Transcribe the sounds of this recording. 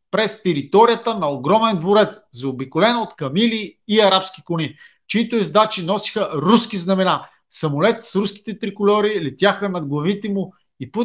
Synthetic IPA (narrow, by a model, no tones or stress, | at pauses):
pɾɛst̪ɛɾit̪ɔɾijət̪ənɐoɡɾɔmɛnd̪voɾɛt̪szɐobikʊlɛnoot̪kɐmiliːɐɾapsk̟ikʊni | t͡ʃiit̪ʊizd̪at͡ʃinɔsi̥xəɾuskiznɐmɛna | sɐmʊlɛt̪sɾuskʲi̥t̪ɛt̪ɾikʊlʲɔɾiːlɛt̪ʲjaxənɐd̪ɡlˠɐvit̪ɛmu | ipu